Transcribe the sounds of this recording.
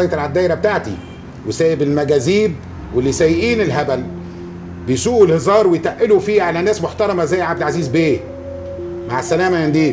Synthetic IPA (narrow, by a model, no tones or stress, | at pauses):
ɑjt̪elʕad̪ːæːjɾæbet̪aʕt̪ḭ | wesæːjebɪlmæɡæːziːb | welːisæjːɪʔiːnelɦæbæl | bejsuːʔelhɪzˤɑːɾˤwejt̪æʔɪlufiːʕalænæːsmoħt̪ɑɾˤɑmæzæjːʕabd̪elʕaziːzbeː | maʕasːælæːmæjænd̪iː